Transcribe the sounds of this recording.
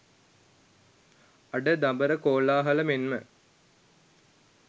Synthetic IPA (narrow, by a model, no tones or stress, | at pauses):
ɐɖəd̪ambəɾəkoːlaːɦɐləmenmə